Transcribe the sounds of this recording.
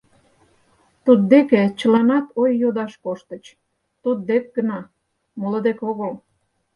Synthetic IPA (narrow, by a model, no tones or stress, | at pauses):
t̪ud̪̚d̪eket͡ɕəlɑnɑt̪ojːod̪ɑʃkoʃt̪ə̆t͡ɕ | t̪ud̪̚d̪ek̚ɡənɑ | moləd̪ekoɣəl